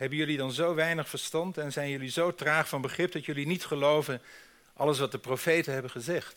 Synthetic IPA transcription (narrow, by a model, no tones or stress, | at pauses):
ɦɛbənjɵlidɑnzowʋɛjnəχfəɹstɑntɛnzɛjnjɵlizowtraːχfɑnbəχrɪp̚dɑtjɵlinitχəlowvən | ʔɑ̰ləs̬ʋɑt̚dəprowfejtənɦɛbənχəzɛχt